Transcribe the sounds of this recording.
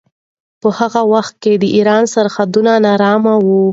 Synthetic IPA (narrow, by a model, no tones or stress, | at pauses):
pəhaɣawaxt̪̚ked̪əʔiɾɑnsaɾxad̪unanɑɾɑmawu